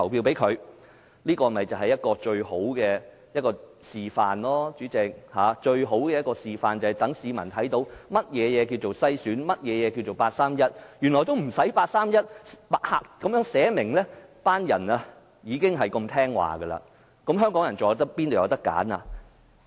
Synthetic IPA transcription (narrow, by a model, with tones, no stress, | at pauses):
ɐ˨˩wpʰiː˧wpe˨˥jkʰɵ˨˧ɥ | liː˥kɔː˧˨mɐ˨jt͡sɐ˨wɦɐ˨˩jɐ˥t̚kɔː˧t͡ʃɵ˧ɥho˨˥wkɛː˧ | jɐ˥t̚kɔː˧ | siː˨faː˨nlɔː˥t͡ʃyː˨˥t͡sɪ˨˧k̚haː˨˦t͡ʃɵ˧ɥɦo˨˥wkɛː˧jɐ˥tkɔː˧siː˨faː˨nt͡sɐ˨hɐ˨˩jt̪ɐ˨˥ŋsiː˨mɐ˨˩nt̪ʰɐ˨˥jt̪o˨˧˥wmɐ˥t̚jɛː˨˧jɛː˨˧k̬i˧wt͡so˨wsɐ˥jsyː˨˥nmɐ˥t̚jɛː˨˧jɛː˨˧ki˧wt͡ʃo˨wpaː˧t̚saː˥mjɐ˥t̚jyː˨˩nlɔː˨˩t̪o˥wm̩˨˩sɐ˨˥jpaː˧t̚saː˥mjɐ˥t̚pa˨t̚ha̰ː˧k̚kɐ˨˥mjœː˨˥ŋsɛː˨˥mɪ˨˩ŋlɛ˥paː˥njɐ̰˨˩na˧ | jiː˨˧kɪ˥ŋɦɐ˨jko˧mt̪ʰɛː˥ŋwa̰ː˨˩ɡə˧lɐ̰ː˧ | kɐ˨˥mɦœː˥ŋkɔː˨˥ŋjɐ˨˩noː˨jt̪ɐ˥k̚pːi˥no˨wjɐ̰˨˧wt̪ɐ˥kːa̰ː˨˥na̰˧˨